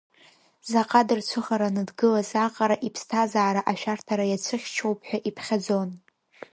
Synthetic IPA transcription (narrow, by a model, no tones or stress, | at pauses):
zaqʼadɨrt͡ɕʷʰɨχaɾanɨdɡɨlazaqʼaɾaʔipʰstʰazaːɾaʔaʃᶣartʰaɾajat͡sʷʰɨχʲt͡ʃʰowpʰħʷᶣaʔipʰχʲad͡zo̞n